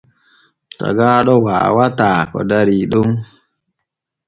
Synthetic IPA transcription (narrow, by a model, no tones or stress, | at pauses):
ta̰ɡaɗɔwa̰ːwataːkɔ̰daɾiɗuŋ